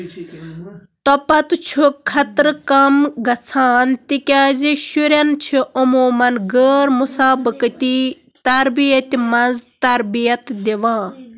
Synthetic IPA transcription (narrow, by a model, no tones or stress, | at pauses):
t̪ɔpɐt̪t͡ʃʰukʰɐt̪ɾkɐmɡɐt͡sʰaːnt̪ikʲaːziʃuɾʲɐnt͡ʃʰiʔumoːmɐnɡəːɾmusaːbɨkɨt̪ʲi | t̪ɐɾbijɐt̪ʲimɐzt̪ɐɾbijɐt̪d̪iʋãː